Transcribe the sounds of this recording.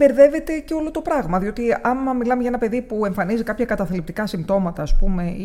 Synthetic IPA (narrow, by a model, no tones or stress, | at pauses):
be̞ɾðe̞ve̞t̪e̞ceo̞lo̞t̪o̞pɾɐɣmɐðio̞t̪iɐmɐmilɐme̞ʝɐenɐpe̞ðipue̞ɱfɐnizikɐpçɐkɐt̪ɐθlip̚t̪i̥kɐsimt̪o̞mɐt̪ɐːspume̞